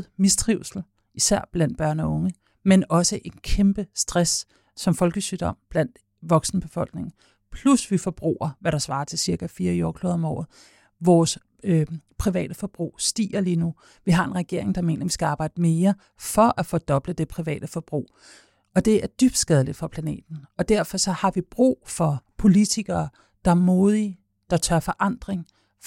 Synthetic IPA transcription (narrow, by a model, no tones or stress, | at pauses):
misd̥ʁiʊsl̩ | isæɐ̰b̥læn̰d̥b̥ɶɐ̰nɒ̽ɔ̽ŋə | menɒ̽səʔe̝nkʰemb̥əsd̥ʁasː | ɒ̽mfɒ̽lɡ̥əsyːd̥ɒ̽m̰b̥læn̰d̥ | ʋɒ̽ɡ̥sn̩əb̥e̝fɒ̽l̰ɡ̥ne̝ŋ̩ | pʰlusʋifɒ̽b̥ʁṵːɐʋæɾ̥ɑ̈sʋɑ̈ːt͡sʰe̝lsiɐkʰæfiːɐjoːkʰloːðˠɒ̽mɒ̰ːð̩ˠ | ʋɒːs | pʰʁiʋɛ̰ːd̥əfɒ̽b̥ʁṵːsd̥ḭːɐliːnu | ʋiɦɑ̈e̝nʁɛɡ̥e̝ɐ̰e̝ŋd̥ɑ̈me̝̰ːnɐʋisɡ̥æɑ̈ːb̥ɑ̈ɪ̰d̥əme̝ːɐ | fɒ̽ʔæfoːd̥ɒ̽b̥ləd̥e̝pʰʁiʋɛ̰ːd̥əfɒ̽b̥ʁṵː | ɒ̽d̥e̝æɐd̥yb̥̚d̥sɡ̥ɛð̞ˠlid̥fɒ̽pʰlæne̝̰ːd̥n̩ɒ̽d̥æɐ̰fɒ̽sɒ̽hɑ̈ʋib̥ʁṵːfɒ̽pʰo̝lit͡sʰiɡ̥ɐː | d̥ɑ̈æɐmoːð̞ˠi | d̥ɑ̈t͡sʰɶɐfɒ̽ʔɑ̈n̰d̥ʁeŋ